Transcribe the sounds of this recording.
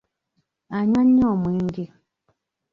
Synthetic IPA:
aɲaɲːɔmwiŋɡi

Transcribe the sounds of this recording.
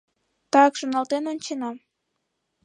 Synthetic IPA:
t̪ɑkʒonɑlt̪enonʲt͡ɕenɑ

